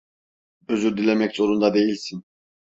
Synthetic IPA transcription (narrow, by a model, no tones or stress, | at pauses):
øzyɾd̪ilʲemɛczo̞ɾund̪ɑd̪e̞jilʲsin